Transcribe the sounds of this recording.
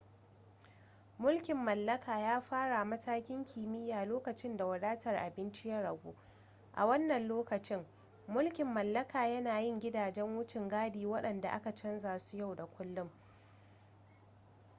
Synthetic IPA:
mʊ˦lkʲɪ˨mːɐ˨lːɐ˦kaː˨jaː˦ɸaː˦ɽa˨mɐ˦taː˦kʲɪ˦ŋkʲʰiː˨mɪ˦jːaː˨loː˦kɐ˨t͡ʃɪ˦nda˨wɐ˨daː˦tɐ˨rʔa̰˨bɪ˦nt͡ʃɪ˦jɐ˦rʔɐ˨ɡʷuː˦ | ʔa̰˨wɐ˦nːɐ˨nloː˦kɐ˨t͡ʃɪ˦ŋ | mʊ˦lkʲɪ˨mːɐ˨lːɐ˦kʰaː˨jɐ˦naː˨jɪ˦˨ŋɡʲɪ˦daː˨d͡ʒɛ˦ŋwʊ˦t͡ʃɪ˨ŋɡaː˦diː˨wɐ˦ɗɐ˨nda˨ʔa̰˦ka˨t͡ʃɐ˦nzaː˨su̥˦ja˦˨wda˨kʷʊ˦lːʊ˦m

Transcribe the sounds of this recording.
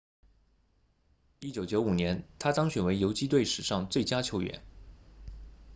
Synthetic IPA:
i˥t͡ɕjo˧˥ʊt͡ɕjo˧˥ʊu˨˩njɛ˧˥nt̪ʰa˥t̪ɑ˥ŋɕɥɛ˨˩nwe˧˥ɪjo˧˥ʊt͡ɕi˥t̪we˥˩ɪʂɻ̩˨˩ʂɑ˥˧ŋt͡swe˥˩ɪt͡ɕja˥t͡ɕʰjo˧˥ʊɥɛ̰˧˥n

